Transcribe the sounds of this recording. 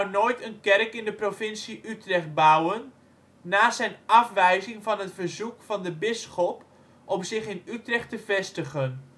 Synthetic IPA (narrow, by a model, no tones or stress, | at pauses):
ɔwnoːjtənkɛrkɪndəprovɪnsiʔytrɛχt̚bʌwənː | aːzɛjnɑfʋɛjzɪŋvɑnɦətfəɹzukfɑndəbɪsχɔp | ʔɔmzɪχɪnytrɛχtəvɛstəχən